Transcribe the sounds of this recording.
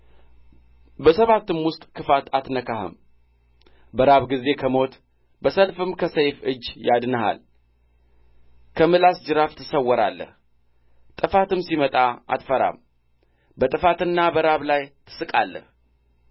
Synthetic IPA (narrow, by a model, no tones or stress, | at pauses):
bəsəβat̪ːɨmwʊst̪ʼkʰɨfat̪at̪nəkaɦə̰m | bəɾaβɡize̞kʰəmo̞t̪ | bəsəlfɨmkʰəsəjfɨd͡ʒːjad̪nəɦa̰l | kʰəmɨlasd͡ʒɨɾaft̪ʰɨsəwːɔɾa̰lːə̰h | t̪ʼɨfat̪ɨmsimət̪ʼaa̰t̪fəɾa̰m | bət̪ʼɨfat̪ɨnːabəɾaβlajt̪ʰɨ̥sɨkʼalːə̰h